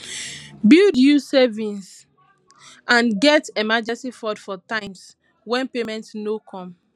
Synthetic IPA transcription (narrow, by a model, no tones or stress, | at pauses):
bildjusɛvĩns | ʔãnɡɛtemad͡ʒɛ̃nsifɔdfɔtãɪ̃ms | wɛ̃npemɛ̃ntnokʰɔ̃m